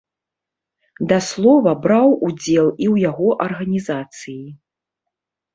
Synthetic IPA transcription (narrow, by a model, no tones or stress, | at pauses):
d̪ɐslˠɔvɐbɾawud͡zʲɛlˠiwjaɣɔʔɐrɣɐnʲizat̪sɨji